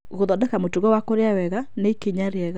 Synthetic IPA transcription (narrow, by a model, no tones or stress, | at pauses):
ɣoðɔdɛkamotuɣɔwakoɾeawɛɣaneikeɲaɾeɛɣa